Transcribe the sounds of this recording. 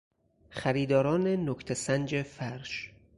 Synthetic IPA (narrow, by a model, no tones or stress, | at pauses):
xæɾiːd̪ɒːɾɒːnenokʰt̪ʰesænd͡ʒefæɾʃ